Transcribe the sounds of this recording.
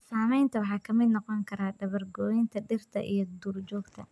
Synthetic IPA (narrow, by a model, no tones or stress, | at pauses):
saːmɛjnt̪ʰɐwɑħɑːkʰɐmɪd̪nɔqɔŋkʰɐɾaːɖɐβɐrɡɔːɪnt̪ʰɐɖɪrt̪ʰɐ̰ʔḭjɞd̪uːrd͡ʒɔːɡt̪ʰɐ